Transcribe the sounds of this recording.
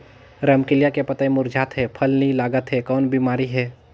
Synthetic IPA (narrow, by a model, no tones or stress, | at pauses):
ɾəmkɪljakepɐt̪aĩmʊɾd͡ʒʱaːt̪ɦɛːpʰəlnəĩlaːɡət̪ɦɛkɔːnbiːmaːɾiɦɛː